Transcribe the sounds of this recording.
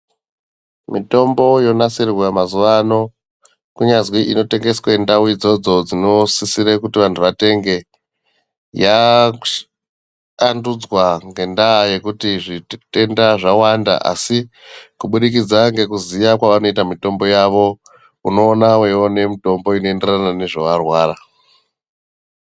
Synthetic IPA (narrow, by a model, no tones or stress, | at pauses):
mito̞mbo̞jo̞nasirwamazuʋano̞ | kuɲazwiʔino̞te̞ŋɡe̞swendawid͡zo̞d͡zo̞d͡zino̞sisiɾekutiʋantʰuʋate̞ŋɡe̞ | ja | ndud͡zwaŋɡe̞ndaːje̞kutiʐite̞ndaʐawanda̰ʔa̰si | kuɓuɗikid͡zaŋɡe̞kuzijakwaʋano̞itamito̞mbo̞jaʋo̞ | uno̞ːnawe̞one̞mito̞mbo̞ino̞e̞nderanane̞ʐoʋarwaːra